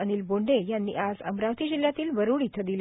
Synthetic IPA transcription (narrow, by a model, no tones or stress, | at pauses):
əñiːlboɳɖejanːḭʔad͡zə̰mɾaʋt̪iːd͡ʑiljat̪iːlʋəɾuːɽit̪ʰəd̪il